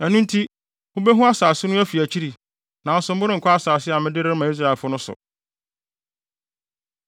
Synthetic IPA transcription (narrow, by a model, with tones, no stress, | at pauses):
æ˨nũ˦n˦tʰi˦ | hʊ̃˦bɛ˦ɦʊ̃˦a˦saː˨sɪ˦nʊ̃˦æ˦fi˨æ˨t͡ɕʰi˦ɾi˨ | nã˨n̩˦sʊ̃˨m̩˦bʊ˦ɾɪ̃˦ŋ̩˨kʰɔ˦a˦saː˨sɪ˦a˨mɪ̃˦dɪ˦ɾɪ˦ɾmã˨i˦s̬ɾa˨ɪ˨fʊ˦nʊ̃˦sʊ̰˨